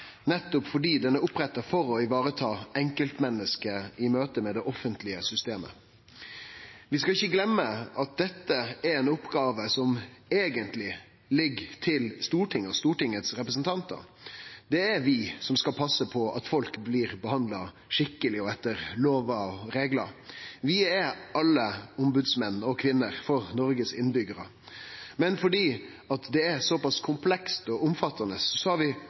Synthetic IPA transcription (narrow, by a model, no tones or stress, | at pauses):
nɛt̪ːʊpfɔɖiːd̪ɛnːəʊpɾɛt̪ːəɾfɔɾɔɪʋɑːɾət̪ʰɑːɛŋkəlt̪mɛnːəskəɪmøːt̪əmɛd̪ɛʔɔfənt̪lɪəsʏst̪eːmə̰ | ʋɪskɑɪçːəɡlɛmːəʔɑt̪̚d̪ɛt̪ːəæɾɛːnʊpːɡɑːʋəsɔmeːɡənt̪lɪ | lɪɡt̪ʰɪlst̪uːʈʰɪŋːɔst̪uːʈɪŋːət̪sɾɛpɾəsənt̪ʰɑnt̪ə̰ɾd̪̥ɛæɾʋɪsɔmskɑlpʰɑsːəpʰɔɑ̰t̪fɔlkbliːɾbəhɑnd̪lɑ | ʂɪkːəlɪɔɛt̪ːəɾloːʋɑɔɾeːɡlə̰ʋɪɛɾɑlːəʊmbʉd̪smɛnːɔkʰʋɪnːəɾfɔɾnɔɾɡəsɪnbʏɡəɾə̰ | mɛnfɔɖiː | ɑt̪d̪ɛæɾsɔpɑskʰʊmpʰlɛkst̪ɔʊmfɑt̪ːɑnəsɔsɔhɑʋɪ